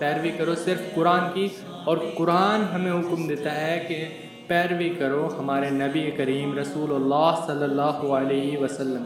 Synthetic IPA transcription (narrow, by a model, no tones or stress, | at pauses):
pɛːɾʋikɐɾosɪɾfkʊɾaːnki | ɔːɾkʊɾaːnɦɐmẽɦʊkmd̪eːt̪aɦɛke | pɛːɾʋikɐɾoɦɐmaːɾenɐbiekɐɾiːmɾɐsuːlʊlːaːɦsɐlːəlːaːɦoəleːɦiʋɐsɐlːəm